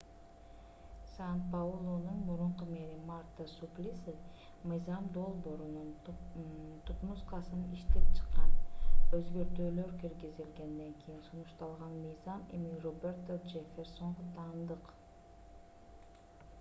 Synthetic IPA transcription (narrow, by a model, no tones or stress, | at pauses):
sant̪̚paulˠonunmuɾuɴqumeɾimart̪ːəsuplʲisɨ | mɯjzɑmd̪o̞lˠbo̞ːɾunun | t̪ʰut̪musqɑsɯniʃt̪ep̚t͡ʃʰɯ̥qːɑnøzɡøɾt̪øːlø̞ɾkiɾɡizd̪ilɡe̞nd̪eŋkʰijinsunuʃt̪ɑlˠʁɑnmɯjzɑmḛmirobʲert̪od͡ʒefʲerso̞ɴʁʊt̪ʰɑːnd̪ɯq